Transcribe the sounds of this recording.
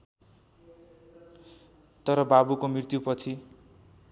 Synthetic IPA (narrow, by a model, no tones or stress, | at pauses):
t̪ʌɾʌbabukomrirt̪jupʌt͡sʰi